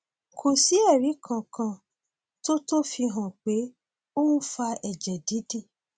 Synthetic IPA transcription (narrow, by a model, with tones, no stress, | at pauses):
kʰo˨si˨˦ɛ˦˨ɾi˨˦kʰã˧˨kã˧ | to˦to˦fi˧ɦã˨k͡pe˨˦ | o˦ũ˦fa˧ɛ˨d͡ʒɛ˨di˨˦di˦˨